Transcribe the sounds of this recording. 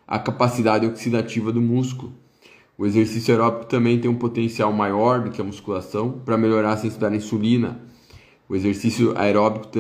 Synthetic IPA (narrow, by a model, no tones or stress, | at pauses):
ɐ̰kapasid̪ad͡ʒ̪ɪoksid̪at͡ʃivɐd̪ʊmuskulʊ | ʊezeɾsisjaeɾɔbikʊ̥t̪ɐ̃mbẽj̃t̪ẽj̃ũpot̪ẽsiawmajɔɾd̪ʊkɪɐmuskulasɐ̃w̃pɾɐmeʎoɾaɾɐsẽsid̪ad͡ʒ̪ɪĩsulĩnɐ̰ | ʊezeɾsisjʊa̰eɾɔbikʊ̥